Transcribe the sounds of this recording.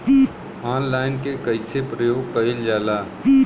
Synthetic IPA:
aːnlaːɪnkekɐɪsepɾəjoːɡ̚kəɪld͡ʒaːlaː

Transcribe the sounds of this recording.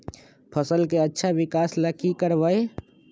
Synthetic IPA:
pʰəsəlkeətːʃʰabɪkaːslakikəɾbəe

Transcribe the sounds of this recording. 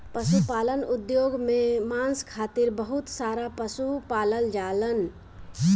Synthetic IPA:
pəsupaːlənʊd̪joːɡmẽmãːnskʰaːt̪ɪɾbəɦʊt̪saːɾapəsupaːləld͡ʒaːlən

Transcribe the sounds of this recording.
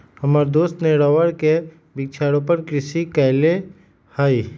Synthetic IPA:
hɐmaːɾd̪oːst̪neɾɔʋəɾke | bɪk̚t͡ʃʰaːɾõpəɾkɾɪʃikɛɪle | haːiː

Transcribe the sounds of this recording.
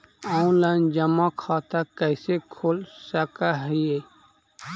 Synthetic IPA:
ãːnlaːnd͡ʒəmãkʰaːt̪akəːsekʰolsəkaɦəje

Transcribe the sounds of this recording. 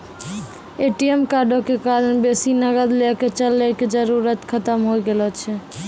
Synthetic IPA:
eʈiemkaɾɖokekaɾənbesinəɡəd̪lɛket͡ʃəlːɛked͡ʒəɾuɾət̪kʰət̪əmɦojɡelɔt͡ʃʰɛ

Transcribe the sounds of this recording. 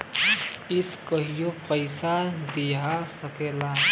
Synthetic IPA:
iskəɦijopəjsad̪iɦasəkela

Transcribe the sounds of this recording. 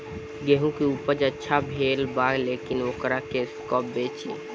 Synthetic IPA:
ɡeɦũkiupəd͡ʒətːʃʰabʱelbaɡlekinokɾakeskɔːp̚bet͡ʃḭ

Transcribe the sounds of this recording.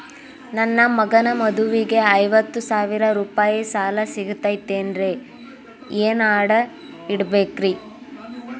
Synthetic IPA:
nɐnːɐmɐɡɐnɐmɐd̪uʋiɡe̞ɐjʋɐt̪ːusaːʋiɾɐɾuːpaːjisaːlɐsiɡut̪ːɐjt̪ːeːnɾe | eːnaːɽɐ | iɽbeːkɾi

